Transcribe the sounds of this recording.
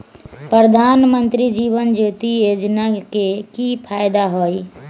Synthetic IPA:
pɾɾəd̪ʱaːnmə̃nt̪ɾid͡ʒiːʋənd͡ʒoːt̪ijoːd͡ʒnakekipʰaːjd̪aɦoːi

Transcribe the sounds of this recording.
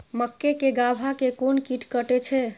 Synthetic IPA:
məkːekeɡabʱakekonkiʈkəʈɛt͡ʃʰɛ

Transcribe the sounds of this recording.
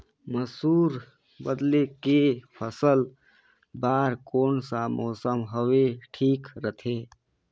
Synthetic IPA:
məsuːɾ | bəd̪lekepʰəsəl | baːɾkoːnsamɔːsəmɦoweʈʰiːkɾət̪ʰe

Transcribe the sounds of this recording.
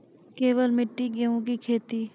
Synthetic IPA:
keːʋəlmɪʈːiɡeõk̬ikʰeːt̪iː

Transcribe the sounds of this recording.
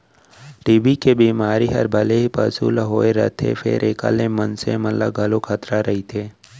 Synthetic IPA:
ɖiːbikebiːmaːɾiɦɐ̰ɾbʱɐleɦipəsṵːlaɦoːeɾə̰t̪ʰḛfʰɪ̰ɾʔeːka̰ːlemənsḛmət̪lə̰ɡʱɐlokʰət̪ɾaɾɐɦit̪ʰeː

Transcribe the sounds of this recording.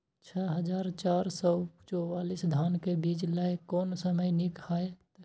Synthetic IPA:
t͡ʃʰɛɦəd͡ʒaːɾt͡ʃaɾsɔt͡ʃɔwaːlisd̪ʱaːnkebid͡ʒlaekɔːnsəməjnikaet̪

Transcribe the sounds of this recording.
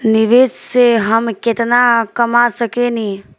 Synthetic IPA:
nɪʋeːsseɦəmkɪt̪nakəmasəkeni

